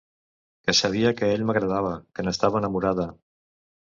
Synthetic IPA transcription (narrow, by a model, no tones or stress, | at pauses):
kəsəβ̞iəkəeʎməɣɾəð̞aβ̞əkənəst̪aβəːnəmuɾaðə